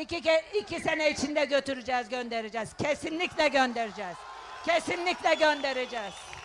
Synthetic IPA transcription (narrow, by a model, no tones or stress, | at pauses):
iiicʰʲisenɛit͡ʃʰind̪ɛɟøt̪ʰyɾyd͡ʒɛːzɟønd̪eɾed͡ʒɛːz̥cʰesinlʲiclʲɛɟønd̪eɾid͡ʒɛːz̥ | cʰesinlʲiclʲɛɟønd̪eɾed͡ʒɛːz̥